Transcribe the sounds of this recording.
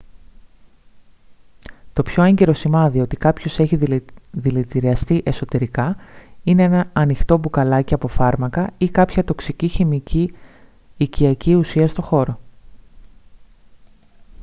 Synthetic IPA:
t̪o̞pço̞eɲɟe̞ɾo̞simɐðio̞t̪ikɐpço̞se̞çiðilit̪iɾiɐst̪iʔe̞so̞t̪e̞ɾikɐine̞enɐɐnixt̪o̞bukɐlɐciɐpo̞fɐɾmɐkɐikɐpçɐt̪o̞ksiciçimiciː | ciɐciusiɐst̪o̞xo̞ɾo̞

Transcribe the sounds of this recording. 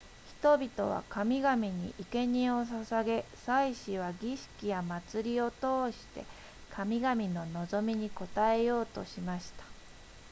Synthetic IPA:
çi̥t̪o̞bʲit̪o̞̰βa̰kamʲiɡamʲiɲ̟ḭʔike̞ɲ̟ĩo̞sasaɡe̞saiɕiβ̞aɡʲiɕi̥kʲijamat͡sɨɾʲio̞t̪o̞ːɕi̥t̪e̞̰ | kʰamʲiɡamʲino̞no̞zo̞mʲiɲ̟iko̞t̪ae̞jo̞ːt̪o̞̰ɕimaɕi̥t̪ḁ

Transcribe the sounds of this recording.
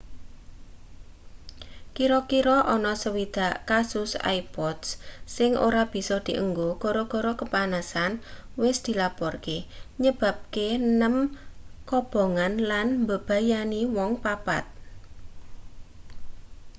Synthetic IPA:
kiɾɔkiɾɔʔɔnɔsəwid̪̥a̤ʔkasʊsa̰ipɔd̪ssɪŋʔo̰ɾab̥i̤sɔd̪̥i̤ʔəŋɡoɡ̥ɔɾɔɡ̥ɔɾɔkəpanasanwɪsd̪̥i̤lapɔrkeɲəb̥a̤p̚kenəmkɔb̥ɔ̤ŋanlanmbə̤b̥a̤janiwɔŋpapa̰t̪̚

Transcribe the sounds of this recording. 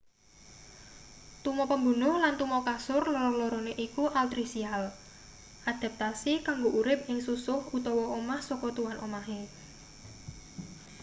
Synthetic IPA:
t̪umɔpəmbunʊhlant̪umɔkasʊrlɔɾɔlɔɾɔneʔikuʔalt̪ɾisial | ʔad̪̥a̤p̚t̪asikaŋɡoʔuɾɪp̚ɪŋsusʊhut̪ɔwɔomahsɔkɔt̪uwanʔomaɦe

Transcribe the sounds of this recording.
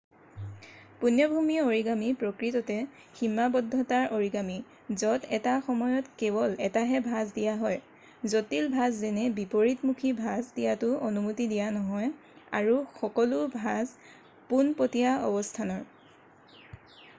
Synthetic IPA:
punjɔbʱumioɹiɡamipɹɔkɹitɔtɛ | ximːabɔdʱːɔtaɹʔoɹiɡami | zɔtɛtaxɔmɔjɔtkɛbɔlɛtaɦɛbʱazdijaɦɔj | zotilbʱazːɛnɛbipoɹitmukʰibʱazdijatʊonumutidijanɔɦɔj | a̰ɹuxɔkɔlʊbʱaz | punpotijaɔ̰bɔstʰanɔɹ

